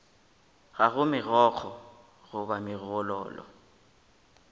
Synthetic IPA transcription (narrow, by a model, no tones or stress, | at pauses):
ɣaɣʊmɪɣɔk͡xʰɔ | ɣʊbamɪɣɔlɔ̰ːlɔ̰